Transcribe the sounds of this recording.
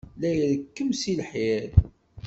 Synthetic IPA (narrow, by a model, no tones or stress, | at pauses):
læjðəkːəmsilħæɾ